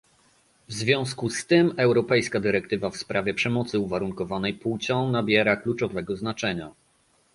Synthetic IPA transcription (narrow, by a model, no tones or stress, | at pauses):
vzvʲjɔ̃w̃skust̪ɘmɛwɾɔpɛjskad̪ɘɾɛk̚t̪ɘvafspɾʔavʲjɛpʂɛmɔt̪sɘuvaɾuŋkɔvanɛjput͡ɕɔ̃w̃nabʲjɛɾaklut͡ʂɔvɛɡɔznat͡ʂɛɲa